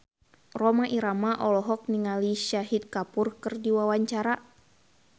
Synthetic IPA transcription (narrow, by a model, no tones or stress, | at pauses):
rɔmaʔiɾamaʔɔlɔɦɔk̚niŋaliʃaɦit̪̚kapurkɨrdiwawaɲt͡ʃaɾa